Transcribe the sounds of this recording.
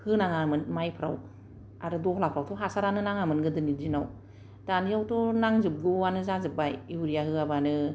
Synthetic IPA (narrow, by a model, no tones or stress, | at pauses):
hɯnaŋamɯnmajpʰɯɾa̰w | aɾɯdɔhlapʰɾawtʰɔɦasaɾanɯnaŋamɯnɡɯdɯnizinaw | taniawtʰɔnaŋzɯp̚ɡɯwanɯzazɯp̚ːajiuɾijahɯabanɯ